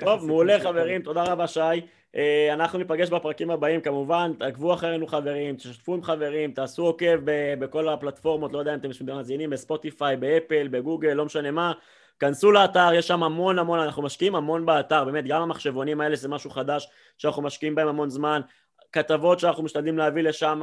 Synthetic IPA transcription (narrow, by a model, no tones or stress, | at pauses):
t̪o̞vmeːle̞χave̞ʁimt̪o̞d̪aʁavaʃaj | ʔeanaχnunipaɡe̞ʃbepʁakimabaimkamuvant̪aɡvuaχeenuχave̞ʁimt̪eʃat̪fuimχave̞ʁimt̪aːsuo̞ke̞vbebe̞ko̞laplat̪fo̞ʁmotlojdeaimat̪emʃimbemaːzinimbespo̞t̪ifajbeepelbe̞ɡuɡelːo̞meʃane̞ma | kansulaːtaʁjeʃːamhamo̞nhamo̞nanaχnumaʃkiimhamo̞nbeat̪aʁbe̞ːme̞t̪̚ɡamamaχʃe̞vonimae̞lezemaʃuχad̪aʃ | ʃanaχnumaʃkiimbaemhamo̞nzman | kat̪avo̞t̪ʃeanaχnumiʃt̪ad̪limleavile̞ʃam